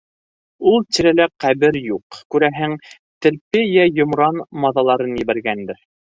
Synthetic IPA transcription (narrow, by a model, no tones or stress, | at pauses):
ulˠt̪iɾælæqæβɘɾjuqkʉɾæɦɘŋ | t̪ɘ̆ɾpɘjæjŏmɾɑnmɑðɑlˠɑɾɤnjɘ̆βæɾɡænd̪ɘɾ